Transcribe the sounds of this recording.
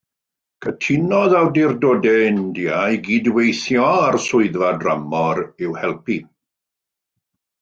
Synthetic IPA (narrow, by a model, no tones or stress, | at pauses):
kʰətʰɪnɔðawdɪrdoːdɛndiajɡiːdwejθjɔarsʊɨðvadramɔɾɪwhɛlˠpi